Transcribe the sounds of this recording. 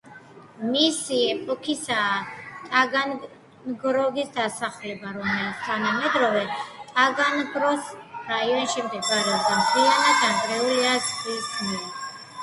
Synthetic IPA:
misiɛpʼɔkʰisaːt̪ʼaɡan | nɡɾɔɡisd̪asaχlɛbaɾɔmɛlit̪sʰt̪ʰanamɛd̪ɾɔvɛt̪ʼaɡanɡɾɔsd̥̪aiɔnʃɛmd̪ɛɡɡaɾɛd̪amtʰianad̪ankʼɾɛuliasʰʼt̪ʼiskʰnili

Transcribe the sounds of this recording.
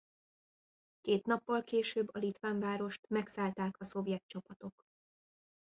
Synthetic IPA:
keːt̪nɒpːɒlkeːʃøːbːɒlit̪ʋaːɱvaːɾo̞ʃt̪mɛksaːlt̪aːkɒso̞bjɛk̪̚t͡ʃɒpɒt̪o̞k

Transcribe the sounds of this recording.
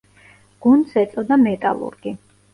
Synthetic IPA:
ɡ̥und̪sɛt̪sʼɔd̪amɛt̪ʼa̰lˠṵɾɡi

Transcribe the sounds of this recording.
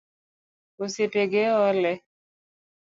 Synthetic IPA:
oseteɡeɔlɛ

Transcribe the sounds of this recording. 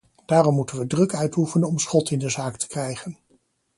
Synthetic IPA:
d̥aːrɔmːutənʋədrɵkœɥtufənənɔmsχɔtɪndəzaːktə̥krɛjχən

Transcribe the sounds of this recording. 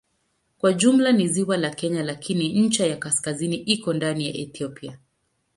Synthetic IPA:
kwaʄum̩laniziwalakɛɲalakʰiniɲ̩t͡ʃajakaskaziniʔikɔndanija̰ʔɛθiɔpia

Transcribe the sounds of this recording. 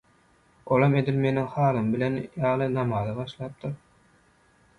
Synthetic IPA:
olˠɑme̞d̪ilme̞niŋhɑːlˠɯmbile̞njɑːlˠɯnɑmɑːðɯbɑʃlˠɑːp̚d̪ɯɾ

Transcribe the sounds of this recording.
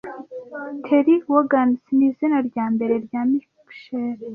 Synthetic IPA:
tʰeɾiwoɡansimizinaɾɟaːmbe̞ɾeɾɟaːmikpʃeɾ

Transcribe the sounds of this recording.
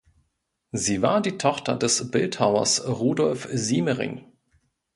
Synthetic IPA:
ziːva̰ːɐdiːtʰɔχtɐ̰dɛsb̥ɪlthaʊɐ̰sʁuːdɔlfziːməʁɪ̰ŋ

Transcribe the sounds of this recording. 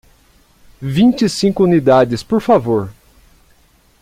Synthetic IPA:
vĩnt͡ʃisĩkʊunid̪ad͡ʒɪspoɾfavoɾ

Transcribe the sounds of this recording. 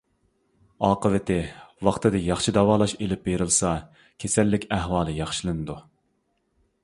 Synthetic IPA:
ɑːqəvɪt̪ʰɪwɑχt̪ʰɨd̪ɨjɑχʃid̪ɑwɑːlˠɑʃelɪp̚beɾɨlˠsɑ | kʲʰesɛlːɪkʲæhwɑːlˠɨjɑχʃilˠɨnɨd̪u

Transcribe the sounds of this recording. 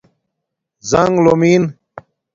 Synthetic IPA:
zɐŋɡlomiːn

